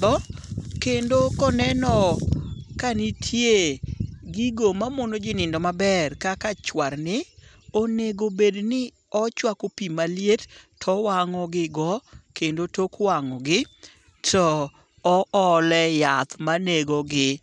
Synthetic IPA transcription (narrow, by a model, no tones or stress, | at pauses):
d̪ɔkendokɔnɛnɔ | kanɪtʰjeɡiɡomamonod͡ʒɪnɪndɔmabɛrkakat͡ʃwaɾnɪ | oneɡobednɪ | ɔt͡ʃwakopimaljettʰɔwaŋɔɡɪɡɔkendotokwaŋɔɡɪ | tʰɔː | ʔɔlɛjat̪maneɡɔɡɪ